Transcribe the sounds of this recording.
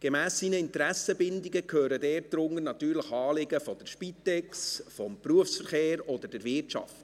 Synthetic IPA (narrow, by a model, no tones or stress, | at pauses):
ɡ̥emæːsːiːnəɪnt̪əɾæsəbɪnd̪iɡəkʰøːɾədɛːrt̚d̥̪ɾʊŋəɾnɑt̪yːɾləχɑːlɪɡəfɔd̥̪ɛɾʃpit̪ɛksfɔmpruəfsfəɾχeːɾɔd̪əd̥ɛɾvɪrtʃɑ̰ft